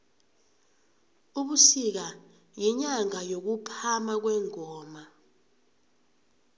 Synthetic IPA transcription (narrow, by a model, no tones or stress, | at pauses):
uɓusik̬a | jiɲaŋajok̬upʰamak̬wɛːŋɔːma